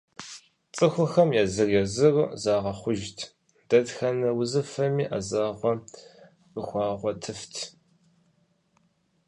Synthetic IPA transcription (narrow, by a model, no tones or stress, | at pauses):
t͡sʼɨxʷʊxɐmjaːzɨrjɛzɨrzaːʁɐχʷʊʒtʰ | d̥ɐdxɐnɐwʊzɨfɐmiːʔazaːʁʷɔ | rəxʷɑːʁʷɔtʰɨftʰ